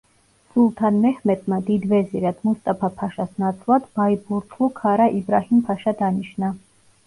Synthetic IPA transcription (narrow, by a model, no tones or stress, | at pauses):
sʼulˠt̪ʰanmɛhmɛt̪ʰmad̪id̪vɛziɾad̪must̪ʼapʰapʰaʃasnat̪sʰlˠad̪̥baibuɾt̪ʰlˠukʰaɾaʔibɾahimpʰaʃad̪aniʃna